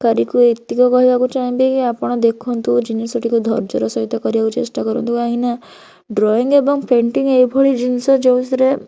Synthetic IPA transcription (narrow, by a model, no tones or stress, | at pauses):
kaɾikuet̪ikɔkɔɦibakut͡ʃaɦĩbekiapɔɽ̃ɔd̪ekʰɔnt̪ud͡ʒinisɔʈʰikud̪ʱɔ̰ɾd͡ʒɔɾɔsɔɦit̪ɔkɔɾibakut͡ʃesʈakɔɾɔ̰nt̪uaɦĩna | ɖɾɔiŋebɔŋpʰeɳʈiŋejbʱɔɭid͡ʒinsɔd͡ʒeũsɾe